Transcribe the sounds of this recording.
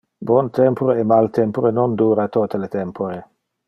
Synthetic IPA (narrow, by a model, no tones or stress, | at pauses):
bwɔnt̪ɛmpoɾeɛmalt̪ɛmpoɾenond̪uːɾat̪ot̪elet̪ɛmpʰoɾe